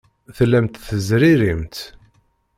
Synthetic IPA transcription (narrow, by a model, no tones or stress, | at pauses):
θlːæmt̪θəzɾiɾimt̪